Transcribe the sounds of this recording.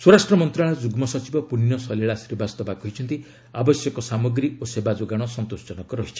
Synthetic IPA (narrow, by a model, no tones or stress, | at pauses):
swoɾasʈɾɔmɔnt̪ɾaɭad͡ʒuɡmɔsɔt͡ʃibɔpuninɔsɔleɭasiɾbast̪ɔbakɔɦit͡ʃʰɔnt̪i | abɔsjɔkɔsamɔɡɾiosebad͡ʒoɡaɽ̃ɔsɔnt̪osd͡ʒɔnɔkɔɾɔɦit͡ʃʰi̥